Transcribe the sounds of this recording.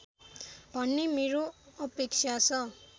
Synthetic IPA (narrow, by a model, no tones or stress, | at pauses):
bʱʌnːemeɾoʌpeksʰat͡sʰʌ